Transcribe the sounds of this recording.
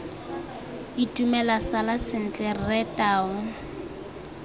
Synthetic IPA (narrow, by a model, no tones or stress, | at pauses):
itʼumɛlasalasɪn̩t͡ɬʼɛr̩rɛtʼaːʊ